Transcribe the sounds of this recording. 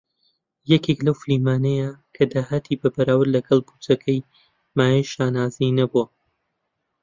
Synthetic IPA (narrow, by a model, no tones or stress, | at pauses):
jɐkʰeklɐwfliːmaːnɐjakʰɐd̪aːhɐt̪ʰibɐbɐɾaːwɨɾlɐɡɐlˠbut͡sɐkʰɐj | maːjɐjʃaːnaːzijnɐbuɐ